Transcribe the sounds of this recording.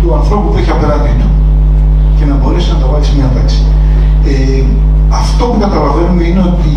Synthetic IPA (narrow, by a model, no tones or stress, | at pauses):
t̪uɐnθɾo̞pupueçɐpeɾɐt̪ino | ce̞nɐbo̞ɾe̞siznɐt̪ɐvɐlksimɲɐt̪ɐksi̥ | e | ɐft̪o̞pukɐt̪ɐlɐve̞numeine̞o̞t̪i